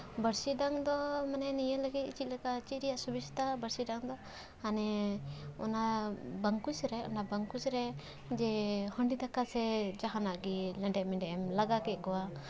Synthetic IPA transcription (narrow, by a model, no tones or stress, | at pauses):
bəɾsiɖaŋd̪ɔmanɛnijələɡit̪̚it͡ʃit̪̚lɛkat͡ʃit̪̚ɾijaʔsubist̪abəɾsiɖaŋd̪ɔ | anɛ | ɔ̰nabəŋkusɾɛɔ̰nabəŋkusɾɛ | d͡ʒɛhɔɳɖid̪ʱakasɛd͡ʒaɦanaʔɡilɛɖɛʔmɛɳɖɛʔɛmlaɡakɛt̪̚kɔwa